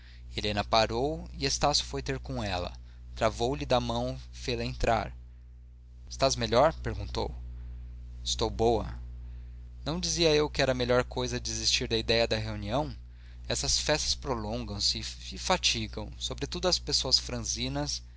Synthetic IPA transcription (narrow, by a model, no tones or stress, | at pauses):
elẽnɐpaɾowiest̪asjʊ̥fojt̪eɾkõɛlɐ̰ | t̪ɾavowlɪd̪ɐmɐ̃w̃fejlɐẽnt̪ɾa̰ɾ | ɪst̪azmeʎɔɾpeɾɡũt̪o̰w | ɪst̪owbowɐ̰ | nɐ̃w̃d͡ʒiziɐewkɪɛɾɐmeʎɔɾkojzɐd͡ʒɪɪzist͡ʃiɾd̪ɐid̪ɛjɐd̪ɐɦeuniɐ̃w̃ | ɛsɐsfɛst̪ɐ̥spɾolõŋɡɐ̃w̃sɪːfat͡ʃiɡɐ̃w̃sobɾet̪ud̪ʊɐspesoɐsfɾɐ̃zĩnɐs